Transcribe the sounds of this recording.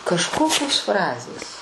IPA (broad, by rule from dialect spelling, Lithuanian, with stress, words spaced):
kɐʃˈkoːkʲoːs ˈfrɑːzʲeːs